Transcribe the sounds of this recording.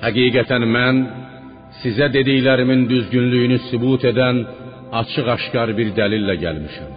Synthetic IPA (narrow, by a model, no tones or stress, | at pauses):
hæɡiːɡæt̪ʰænmæn | sizæd̪e̞d̪ijlæɾimind̪yzɟynlyjynysybuːt̪ʰe̞d̪æn | ɑt͡ʃʰɯʁɑʃcɑɾbiɾd̪ælilːæɟælmiʃæm